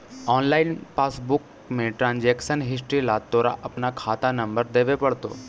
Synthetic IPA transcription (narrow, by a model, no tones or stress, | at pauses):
ɔːnlaːɪnpaːsbʊk | mẽʈɾãːnd͡ʒekʃənɦɪsʈɾilat̪ːoɾa̰ʔɐpnakʰaːt̪anɐ̃mbəɾd̪eːʋepɐɽt̪o̰